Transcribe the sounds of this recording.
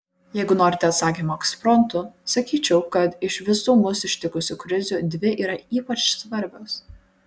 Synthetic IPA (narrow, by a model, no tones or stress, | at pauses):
jɛɪɡʊnoːɾʲɪt̪ʲɛɐt̪sɑːkʲimoɛkspɾɔnt̪ʊsɐkʲiːt͡ʃʲɛʊkɐt̪ɪʃʋʲɪsuːmʊsɪʃʲt̪ʲɪkʊsʲʊkɾʲɪzʲud̪ʲʋʲɪʔiːɾɐiːpɐt͡ʃsʋɐɾʲbʲɛʊs